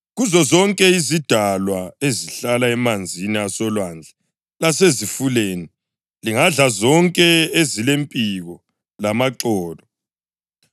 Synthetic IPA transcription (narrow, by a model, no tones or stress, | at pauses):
ɣuzɔzɔŋkʼɛizid̥ʱalwaeziɬalaɛmand͡zʱiniasɔlwand͡ɮʱɛ | lasezifuleːni | liŋaɮazɔŋkʼɛezilempʼiɣɔ | lamaǀɔːlɔ